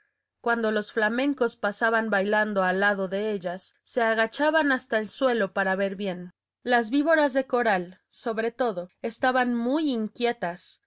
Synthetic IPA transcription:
kwand̪o̞lo̞sflamẽ̞ŋko̞spasaβambajland̪o̞alːaðo̞ðe̞e̞ʝasːe̞aɣ̞at͡ʃaβanast̪aelswe̞lo̞paɾaβe̞ɾβje̞n | lazβiβo̞ɾazðe̞ko̞ɾal | so̞βɾe̞t̪o̞ðo̞e̞st̪aβanmujiŋkje̞t̪as

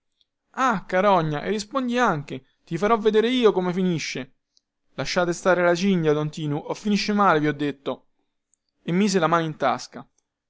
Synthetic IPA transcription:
akːaɾɔɲːaʔerːispond̪iaŋk̟e | t̪ifaɾɔvːed̪eːɾeiːokomefiniʃːe | laʃːaːt̪est̪aːɾelat͡ʃiɲd̪jad̪ɔnt̪iːnuʔofːiniʃːemaːleviɔd̪ːet̪ːo | emːiːzelamaːnoint̪a̰ska

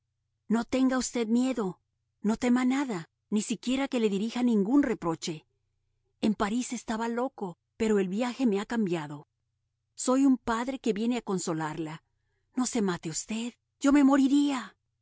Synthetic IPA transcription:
no̞t̪e̞ŋɡaust̪e̞ðmje̞ðo̞ | no̞t̪e̞manaða | nisikje̞ɾake̞le̞ðiɾixanĩŋɡunre̞pɾo̞t͡ʃe̞ː | mpaɾise̞st̪aβalo̞ko̞ | pe̞ɾo̞e̞lβjaxe̞me̞akambjaðo̞ | so̞jumpaðɾe̞ke̞βje̞ne̞ako̞nso̞laɾla | no̞se̞mat̪eust̪e̞ð | ɟ͡ʝo̞me̞mo̞ɾiɾia

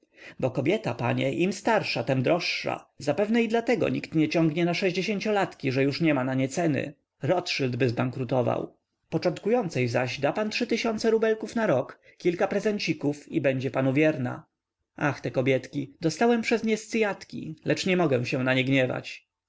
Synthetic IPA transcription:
bɔkɔbʲjɛt̪apa̰ɲɛ̰ʔimst̪aɾʂat̪ɛmd̪ɾɔʂːa̰zapɛvnɛid̪lat̪ɛɡɔ̰ɲikt̪ɲɛt͡ɕɔ̃ŋɡɲɛnaʂɛʑd͡ʑeɕeɲʲt͡ɕɔlat̪kʲiʐɛjuʂɲɛmanaɲɛt̪sɛnɘ̰ | ɾɔt̪ʂɘld̪bɘzbaŋkɾut̪ɔva̰w | pɔt͡ʂɔnt̪̚kujɔnt̪sɛjzaʑd̪apantʂɘt̪ɘɕɔnt̪sɛɾubɛlkufnaɾɔk | kʲːilkapɾɛzɛɲt͡ɕikufibɛɲd͡ʑɛpanuvʲjɛɾna̰ | ʔaxt̪ɛkɔbʲjɛt̪kʲid̪ɔst̪awɛmpʂɛzmɲɛst̪sɘjat̪kʲḭlɛt͡ʂɲɛmɔɡɛ̃w̃ɕɛw̃naɲɛɡɲɛva̰t͡ɕ

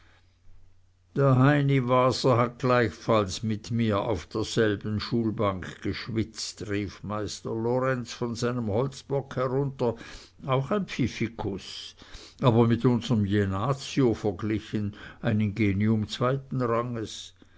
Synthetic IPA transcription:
d̥eːɐɦaɪnivaːzɐɦat̚ɡ̥laɪçfalsmɪtmiːɐʔa̰ʊfd̥eːɐz̥ɛlbən̩ʃuːlbaŋkɡ̥əʃvɪt͡stʁiːfmaɪstəlɔʁɛnsfɔnzaɪnəmhɔlt͡sb̥ɔkhɛʁʊntɐ | aʊxaɪnpfifikʰʊs | aːbɐmɪtʊnzəʁəmjenaːt͡siofəɐɡlɪçənaɪnɪnɡeːniʊmt͡sv̥aɪtn̩ʁaŋəs

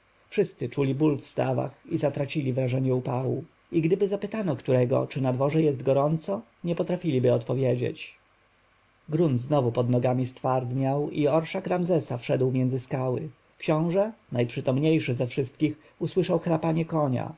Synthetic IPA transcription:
fʂɘst̪sɘt͡ʂulʲibulfst̪a̰va̰xizat̪ɾat͡ɕilʲivɾaʐɛɲɛupawṵ | iɡd̪ɘbɘzapɘt̪anɔkt̪uɾɛɡɔ̰t͡ʂɘnad̪vɔʐɛjɛzt̪ɡɔɾɔnt̪sɔ | ɲɛpɔt̪ɾafʲilʲibɘɔt̪pɔvʲjed͡ʑḛt͡ɕ | ɡɾunznɔvupɔd̪nɔɡamʲist̪faɾd̪ɲawiɔɾʂakɾamzɛsafʂɛd̪wmʲjɛnzɘskawɘ̰ | kɕɔ̃w̃ʐɛnajpʂɘt̪ɔmɲejʂɘzɛfʂɘst̪kʲix | uswɘʂawxɾapaɲɛkɔɲa̰

